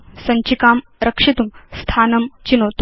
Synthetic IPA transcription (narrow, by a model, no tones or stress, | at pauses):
sɐɲt͡ɕikaːm | ɾɐkʂit̪umst̪ʰaːnɐmt͡ɕinoːt̪